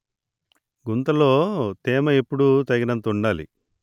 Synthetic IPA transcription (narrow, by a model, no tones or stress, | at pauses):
ɡunt̪ɐlo̞ːt̪ɛːmɐepːuɽut̪ɐɡinɐnt̪uɳɖaːlḭ